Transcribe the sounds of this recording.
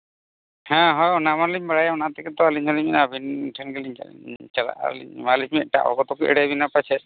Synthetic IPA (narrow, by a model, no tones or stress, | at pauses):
hɛ̃ɦɔjɔnamanliɲbaɽajaɔnat̪ɛkɛt̪ɔaliɲɦɔliminabʱinʈʰɛnkɛliɲ̰t͡ʃala̰ʔa̰lḭɲmalit͡ʃmɛʈa̰ʔɔ̰kɔt̪ɔkiʔɛ̰ɽɛbinapajt͡ʃʰɛ